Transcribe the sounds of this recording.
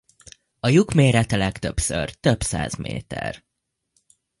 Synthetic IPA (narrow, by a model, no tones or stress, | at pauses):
ɒjukmeːɾɛt̪ɛlɛkt̪øpsø̰rt̪øbsa̰ːzmḛːt̪ɛ̰r